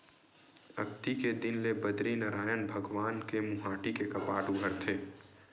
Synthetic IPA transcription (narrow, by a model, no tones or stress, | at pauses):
ɐ̰kt̪iked̪ɪnlebɐd̪ɾinɐɾaːjənbʱɐɡʋaːnkemʊɦaːʈikekɐpaːʈʊɡʱəɾt̪ʰeː